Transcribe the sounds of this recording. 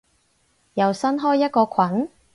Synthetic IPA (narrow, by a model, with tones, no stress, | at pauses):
jɐ˨wsɐ˥nɦɔː˥jːɐ˥t̚kɔː˧kʰɐ˨˥n